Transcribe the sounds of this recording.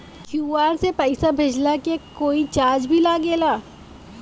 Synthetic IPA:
kʰjuːaːɾsepɛɪsabʱed͡ʒlakekoːit͡ʃaːd͡ʒbʱilaːɡeːlaː

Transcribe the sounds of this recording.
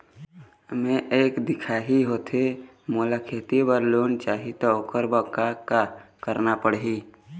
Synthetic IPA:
mẽʔeːkd̪ɪkʰaːɦiɦoːt̪ʰe | moːlakʰeːt̪ibəɾloːnt͡ʃaːɦit̪ɔoːkəɾbəkːakakəɾnapəɽɦiː

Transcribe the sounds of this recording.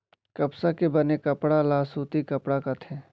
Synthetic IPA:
kɐpsakebɐnekɐpɽalaːsuːt̪ikɐpɽakat̪ʰẽː

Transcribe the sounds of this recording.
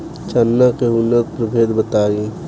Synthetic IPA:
t͡ʃanːakeʊnːət̪̚pɾəbʱeːd̪bət̪aːɾẽ

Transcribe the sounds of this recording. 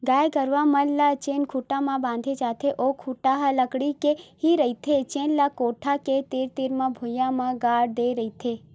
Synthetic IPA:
ɡajɡəɾʋamənlat͡ʃenkʰuʈamãbãn̆d̪ʱed͡ʒat̪ʰeʔokʰuʈaɦaləkɽikehiɾəit̪ʰet͡ʃenlakoʈʰaket̪eɾt̪iɾmãbʱujamãɡaɽd̪eɾəit̪ʰe

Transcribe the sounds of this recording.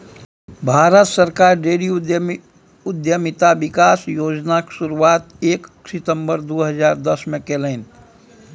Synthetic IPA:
bʱaːɾət̪səɾkaɾɾeɽijo | ʊd̪jəmit̪abikaːsjoːd͡ʒnaksuɾuaːt̪eːksɪt̪ə̃mbəɾd̪oːɦəd͡ʒaːɾd̪əsmekelən

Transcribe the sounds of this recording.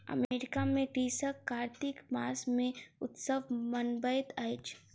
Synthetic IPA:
ɐ̰meːɾɪkamẽkɾiːsəkːaːɾt̪ɪkmaːsmẽʊt̪səʋmənbəjt̪əɪt͡ʃ

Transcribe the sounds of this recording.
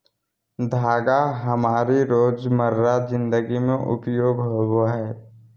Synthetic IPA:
d̪ʱaːɡaɦəmaːɾiɾoːd͡ʒməɾːazɪ̃nd̪əɡimẽʔʊ̰pjoːɡɦoɦoɦɛː

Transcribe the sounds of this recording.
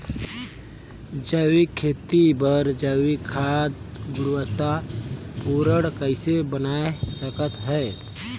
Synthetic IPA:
d͡ʒəwikʰeːt̪ibəɾd͡ʒəwikʰad̪ɡʊɾwət̪apuɾəɽkəɪsebənaesəkət̪ɦɛː

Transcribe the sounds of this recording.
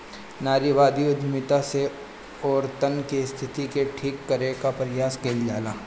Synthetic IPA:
naːɾiʋaːd̪iod͡ʒ̪ʱmɪt̪ase | ɔːɾt̪ənkest̪ʰɪt̪ikeʈʰiːkːɐɾekapɾɪjaːskeːld͡ʒaːlaː

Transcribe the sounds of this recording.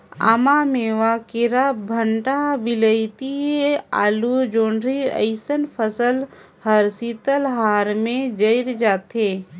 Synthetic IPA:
a̰ːmameːʋakeɾabʱəɳʈabɪləɪt̪iea̰ːlud͡ʒoːɳɾiə̰ɪsənpʰəsəl | həɾsit̪əlɦaːɾmẽd͡ʒəɪɾd͡ʒaːt̪eː

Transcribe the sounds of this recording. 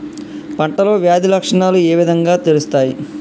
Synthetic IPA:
pɐɳʈɐlo̞ːʋjaːd̪ʱilɐkʂɐɳaːlueːʋid̪ʱɐŋɡaːt̪eɾust̪aːji

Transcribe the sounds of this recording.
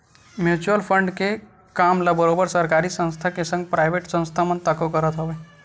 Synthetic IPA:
mjut͡ʃuəlpʰəɳɖke | kamləbəɾobəɾsəɾkaɾisə̃nst̪ʰakesə̃ŋɡ̚pɾaɪjbʱeʈsə̃nst̪ʰamənt̪əkokəɾət̪ɦəbɛ

